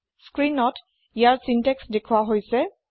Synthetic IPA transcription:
skɹinɔt | ijaɹsintɛksdekʰuwaɦojsɛ

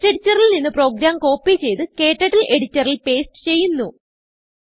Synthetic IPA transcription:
eɽit͡ɕːɐrilninːɨpro̞ːɡɾaːmko̞ːpːit͡ɕe̞jt̪ɨke̞ːʈːɐʈːilʔe̞ɽit͡ɕːɐrilpe̞ːsʈɨ̥t͡ɕe̞jːunːu

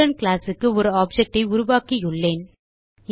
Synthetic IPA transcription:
ɐnkɭaːsɯkːɯɔɾɯaːp̚d͡ʒɐk̚ʈɐɪʊɾʊʋaːkijʊɭːeːn

